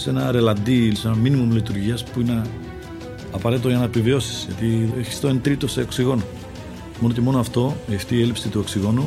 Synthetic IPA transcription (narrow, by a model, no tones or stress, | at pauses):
se̞nɐɾe̞lɐnd̪ise̞nɐminimumlit̪uɾʝiɐspuine | ɐpɐɾe̞t̪it̪oʝɐnɐpivio̞si̥sʝɐt̪ieçi̥st̪oent̪ɾit̪o̞se̞oksiɣo̞no | mo̞noce̞mo̞noɐft̪o̞ft̪iːelipsit̪uo̞ksiɣo̞nu